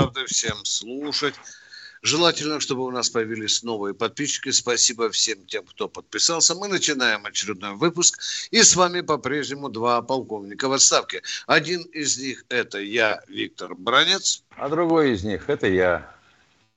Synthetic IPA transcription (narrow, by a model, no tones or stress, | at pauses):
avd̪ɨfsʲe̞mslˠuʂətʲʐɨlˠatʲɪlʲnəʂt̪o̞bɨʊnaspəjɪvʲilʲɪsʲno̞vɨjəpɐt̪̚pʲiɕːɪ̥kʲɪspɐsʲibəfsʲemtʲe̞mkt̪o̞pət̪̚pʲɪsalˠsʲəmɨnət͡ɕɪnajɪmɐt͡ɕɪɾʲɪd̪̚no̞jvɨpʊskisvamʲɪpɐpɾʲe̞ʐnʲɪmʊd̪vapɐlˠko̞vnʲɪkəvɐt̪st̪afkʲɪɐdʲinɪzʲnʲixɛt̪əjavʲik̚t̪ərbɾanʲet̪s | ɐ̰d̪ɾʊɡo̞jɪzʲnʲixɛt̪əja